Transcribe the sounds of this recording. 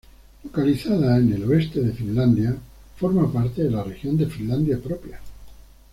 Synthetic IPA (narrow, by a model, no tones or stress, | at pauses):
lokaliθaðaene̞loe̞st̪e̞ðe̞finland̪ja | fo̞ɾmapaɾt̪e̞ðelare̞xjo̞nd̪e̞finland̪japɾopja